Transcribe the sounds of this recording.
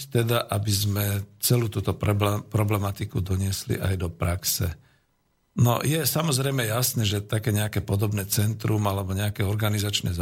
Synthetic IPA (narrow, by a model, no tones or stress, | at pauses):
t̪ɛd̪aʔabizmɛt͡sɛluːt̪uːt̪ɔppɾɔblɛmat̪ikud̪ɔɲɪɛslḭʔajd̪ɔpɾaksɛ̰ | nɔ̰jɛsamɔzɾɛjmɛjasnɛːʒɛt̪akɛːɲɛakɛpɔd̪ɔbnɛːt͡sɛnt̪ɾumalɛbɔɲɛakɛɔɾɡanizat͡ʃnɛ̰z